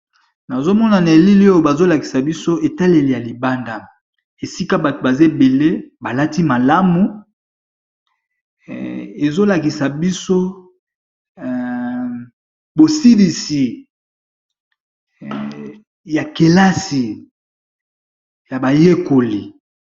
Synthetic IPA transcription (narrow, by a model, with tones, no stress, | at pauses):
na˨zo˦mɔ˦na˨na˨e˨li˦li˦o˦jo˦˨ba˨zo˦la˨ki˨sa˨bi˦so˦e˨ta˦le˨li˨ja˨li˨ba˦nda˦ | e˨si˦ka˦ba˨tba˨ze˦˨be˨le˦ba˨la˦ti˦ma˨la˦mu˨ | e˨zo˦la˨ki˨sa˨bi˦so˦˨ | bo˨si˦li˨si˨ | ja˨ke˨la˦si˨ | ja˨ba˨je˦ko˨li˨